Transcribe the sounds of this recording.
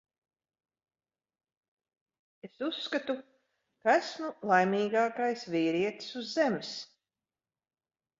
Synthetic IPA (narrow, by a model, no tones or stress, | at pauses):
esusːkat̪u | kaæsmulˠajmiːɡaːkajsviːɾiɛt̪suzːems